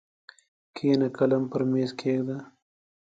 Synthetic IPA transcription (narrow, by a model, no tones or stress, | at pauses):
kʰeːnakɐlampəɾmeːskʰeːɡd̪a